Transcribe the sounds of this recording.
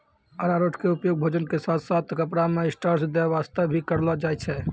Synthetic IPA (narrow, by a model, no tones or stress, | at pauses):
ənaɾoʈʰkeupjoɡ̚bʱoːd͡ʒənkesat̪ʰsat̪ʰkəpɽameɪsʈaɾsd̪aʋast̪əbʱikəɾlad͡ʒajt͡ʃʰɛ